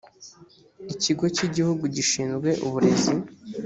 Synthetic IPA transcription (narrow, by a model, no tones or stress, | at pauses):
iciɡo̞ciɟihuɡuɟiʃiːnzɡwe̞ʔuβuɾe̞zi